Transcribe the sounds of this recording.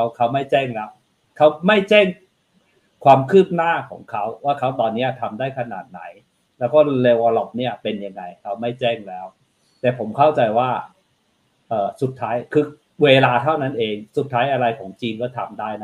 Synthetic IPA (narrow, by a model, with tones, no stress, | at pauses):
a˦˥wkʰa˦˥wma˥˩jt͡ɕɛː˥˩ŋlɛ˦˥w̚ | kʰa˦˥wma˥˩jt͡ɕɛː˥˩ŋ | kʰwaː˧mkʰɯː˥˩p̚naː˥˩kʰɔ̰ː˩˦ŋkʰa˦˥wwaː˥˩kʰa˦˥wt̪ɔː˧nːiː˦˥ɐt̪ʰa˧mdaː˥˩jkʰa˧na̰ː˨˩t̪̚na˩˦j | lɛː˦˥wkɔː˥˩leː˧waː˧lɔ˦˩p̚ni˥˩ɐpe˧nja˧ŋːa˧jkʰa˦˥wma˥˩jt͡ɕɛː˥˩ŋlɛː˦˥w | t̪ɛː˨˩pʰo˩˦mkʰa˥˩wt͡ɕa˧jwaː˥˩ | ʔɤː˨˩su˨˩t̪ʰːaː˦˥jkʰɯː˧ | weː˧laː˧t̪ʰa˥˩wna˦˥nʔeː˧ŋsu˨˩t̪ʰːaː˦˥jʔa˧ɾa˧jkʰɔː˩˦ŋt͡ɕiː˧nkɔː˥˩t̪ʰa˧mdaː˥˩jna˦˥